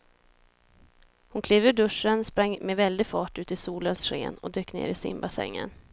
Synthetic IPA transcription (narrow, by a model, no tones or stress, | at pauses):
hʊnkʰleːvɵɖɵʂːənspɾaŋːmɛvɛld̪ɪɡfɑːʈʉ̟ːt̪ɪsuːlənsɧḛːnɔ̰d̪øːkːnḛːɾɪsɪ̰mbasɛ̰ŋːə̰n